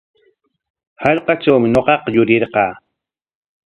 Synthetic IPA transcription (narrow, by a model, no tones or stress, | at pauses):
hɑʎqɑt͡ʃawmɪɲoqɑqɑjʊɾɪɾqɑː